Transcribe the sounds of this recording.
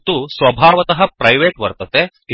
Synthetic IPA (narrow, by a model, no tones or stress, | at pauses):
t̪usʋɐbʱaːʋɐt̪ɐɦɐpɾɐjʋeːʈʋɐɾt̪ɐt̪e | i